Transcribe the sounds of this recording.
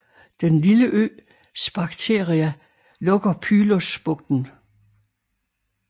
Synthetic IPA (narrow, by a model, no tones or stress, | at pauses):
d̥enliləʔø̰ː | sb̥ɑ̈ɡ̥t͡sʰe̝ːɐʁiæ | lɔ̽ɡ̥ɐpʰyːlosb̥ɔ̽ɡ̥̚d̥n̩